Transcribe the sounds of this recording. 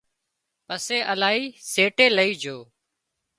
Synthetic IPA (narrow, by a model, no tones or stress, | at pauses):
pəseːʔəlaːɦiːseːʈeːləiːd͡ʒʱoː